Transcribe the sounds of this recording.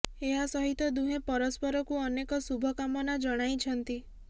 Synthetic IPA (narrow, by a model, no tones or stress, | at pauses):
eɦasɔɦit̪ɔd̪uɦepɔɾɔspɔɾɔkuɔnekɔsubʱɔkamɔnad͡ʒɔɽ̃ajt͡ʃʰɔnt̪i